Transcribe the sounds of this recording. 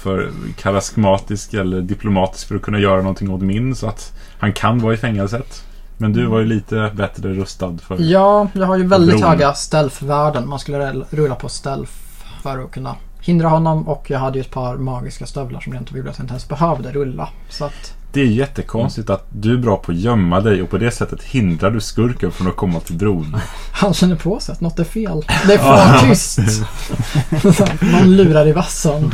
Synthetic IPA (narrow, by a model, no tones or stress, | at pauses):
fœɾkʰaɾaskmɑːt̪ɪskɛlːəɖɪpʰlʊmɑːt̪ɪ̥skfœɾɔkʰɵnːajœːɾanɔnt̪ʰɪŋːot̪mɪnsɔat̪ | hankʰanvɑːɪfɛŋːɛlsət̪ | mɛnd̪ɵvaɾjɵliːt̪ʰəbɛt̪ɾəɾɵst̪ad̪fœɾjɑːjɑːɡhajɵvɛld̪ɪt̪ɛːɡɡast̪ɛlfvæːɖənmanskɵlːəɾɾɵlːapʰɔst̪ɛlf | fœɾɔkʰɵnːa̰ | hɪnd̪ɾahɔnːɔmɔkʰjɑːɦad̪ːəjɵɛt̪̚pʰɑɾmɑːɡɪskast̪œvla̰ʂɔmɾɛnt̪ːəvɪvat̪ʰɪnɛnsbɛɦøvd̪əɾɵlːa̰ | sɔat̪ | d̪̥ɛæɾjɛt̪ːəkʰɔnst̪ɪt̪at̪̚d̪ɵæbɾɑːpʰɔːjœmːad̪ɛjɔpʰɔd̪ɛsɛt̪ːət̪hɪnd̪ɾaɖɵskɵɾkənfɾɔnɔkʰɔmːat̪ʰɪld̪ɾuːn | hanɕɛnːəɾpʰɔsɛat̪nɔt̪ːæɾfeːld̪ɛæʏst̪ | manlʉ̟ːɾaɾɛvasən